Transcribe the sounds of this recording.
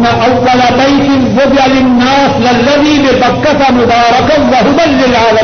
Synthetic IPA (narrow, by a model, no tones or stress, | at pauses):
nːɐʔɐʋːɐlɐbɐjsɪnbʊb̪ɐlɪnːaːslɐlːɐðiːbɪbɐkːɐt̪ɐmʊd̪aːɾɐkɐʋɐɦʊmɐlːɪlaːlɐ